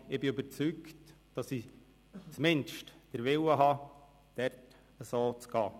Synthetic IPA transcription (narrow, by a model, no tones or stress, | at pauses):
ɪbɪybəɾt͡sykt | d̥ɑsi | t͡smɪnʃtd̥əɾʋɪwəɦɑ | d̥ɛɾt | əsoːt͡sɡ̥ɑː